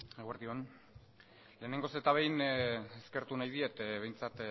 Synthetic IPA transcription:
eɣoeɾðion | le̞ːne̞ŋɡo̞set̪aβe̞jneske̞ɾt̪unajðiet̪βe̞jnt͡sat̪

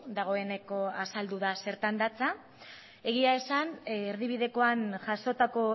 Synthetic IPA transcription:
d̪aɣ̞o̞e̞ne̞ko̞asald̪uð̞ase̞ɾt̪and̪at͡sa | e̞ɣ̞iae̞saneɾðiβ̞iðe̞ko̞anʝaso̞t̪ako̞

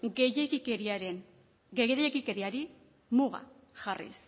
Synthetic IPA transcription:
ɡejekikeɾiaɾen | ɡeɣeɾejekikeɾiaɾi | muɣa̰ | ʝarḭs

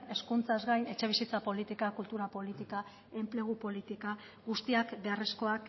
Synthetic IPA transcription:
e̞skunt͡sazɣajne̞t͡ʃe̞β̞isit͡sapo̞lit̪ikakult̪uɾapo̞lit̪ika | e̞mple̞ɣ̞upo̞lit̪ika | ɡust̪iakbe̞are̞sko̞ak

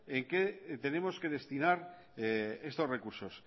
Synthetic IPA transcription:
eŋket̪e̞ne̞mo̞ske̞ð̞e̞st̪inaɾ | est̪o̞sre̞kuɾso̞s

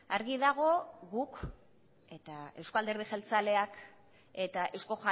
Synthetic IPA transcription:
aɾɣiðaɣ̞o̞ɣuk | e̞t̪ae̞wsko̞ald̪e̞ɾðixelt͡sale̞ak | e̞t̪aʔe̞wsko̞ʝa

